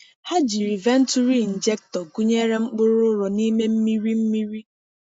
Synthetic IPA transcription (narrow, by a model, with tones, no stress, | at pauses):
ha˦d͡ʒi˨ɾi˨ve˦n̩˦tu˦ɾi˦˨n̩˨d͡ʒe˦k̚tɔ˨ɡu˦ɲe˦ɾe˦ŋ͡m̩˦k͡pʊ˦ɾʊ˦ɾɔ˨ni˦me˦m̩˦mi˦ɾi˦m̩˦mi˦ɾi˦